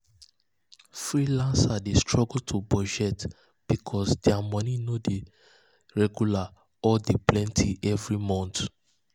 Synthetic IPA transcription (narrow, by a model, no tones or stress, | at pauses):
fɹilãnsadestɹɔɡltʰubɔd͡ʒɛt | b̥ikʰɔsdɛamɔ̃ninode | ɹɛɡjula | ɔdeplɛ̃ntʰiʔɛvɹimɔ̃nt